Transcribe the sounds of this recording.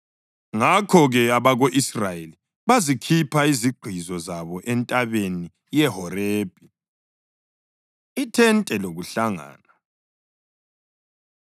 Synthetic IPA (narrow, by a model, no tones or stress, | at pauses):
ŋakʰɔɣɛaβaɣoʔisrajeli | βazikʰipʰaiziɡ͡ǃʱizɔzaβɔʔɛntʼaβeni | jɛɦɔreːb̥ʱʼi | itʰɛntʼɛloɣuɬaŋa̰ːna